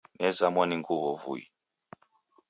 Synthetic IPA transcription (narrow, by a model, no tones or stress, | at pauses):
nɛzamwaniŋɡuβɔvṵjḭ